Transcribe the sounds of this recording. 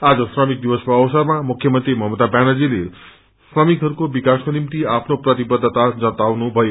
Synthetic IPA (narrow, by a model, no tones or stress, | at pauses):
ad͡zʌsrʌmik̚d̪ibʌspoːwsʌrmamukʰjʌmʌnt̪rimʌɦʌmot̪abanʌd͡zile | srʌmikɦʌɾukobikaskonimt̪iapʰnoprʌt̪ibʌd̪ʱːt̪ad͡zʌt̪awnubʱʌjo